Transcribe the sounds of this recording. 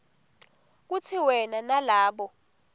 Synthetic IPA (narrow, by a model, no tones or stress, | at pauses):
k̬utʰiwɛnanalaːɓɔ